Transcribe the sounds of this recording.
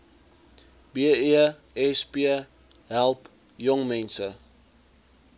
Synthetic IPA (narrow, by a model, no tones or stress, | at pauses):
biəiə | ɛspiə | ɦælˠp | jɔŋmɛnsə